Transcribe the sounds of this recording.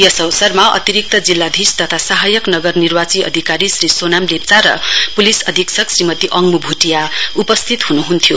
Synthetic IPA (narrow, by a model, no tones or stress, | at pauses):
jʌsʌwsʌrmaʌ̰t̪iɾik̚t̪ʌd͡zilːad̪ʱist̪ʌt̪ʰasaɦajʌknʌɡʌrnirwat͡siʔʌ̰d̪ʱikaɾisɾisonamlep̚t͡saɾʌ̰pulisʌd̪ʱiksʰʌksrimʌt̪iʔʌŋmubʱuʈijaupʌst̪ʰit̪ɦunuɦunt̪ʰjo